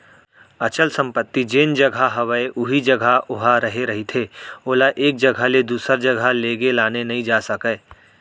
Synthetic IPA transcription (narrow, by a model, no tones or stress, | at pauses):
ɐt͡ʃəlsə̃mpət̪ːid͡ʒeːnd͡ʒɐɡʱaɦɐʋəeʔʊɦid͡ʒɐɡʱaʊɦaɾɐɦeɾɐɦit̪ʰeːoːlaʔeːk̚d͡ʒɐɡʱaled̪uːsəɾd͡ʒɐɡʱaleːɡelaːnenɐɦĩd͡ʒaːsəkəː